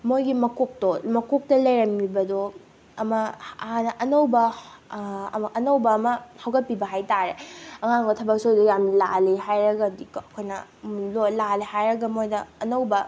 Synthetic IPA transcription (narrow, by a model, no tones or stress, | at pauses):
mojɡimɐkok̚tomɐkok̚tɐlɐjɾɐmːibɐdo | ɐmɐanɐʔɐnowbɐ | mɐʔɐnowbɐːmɐhawɡɐt̚pibɐɦajtaɾeɐŋaŋɡotʰɐbɐk̚sojdojamilalihajɾɐɡɐdikɐkʰojnɐ̰lolalihajɾɐɡɐmojdɐːnɐwbɐ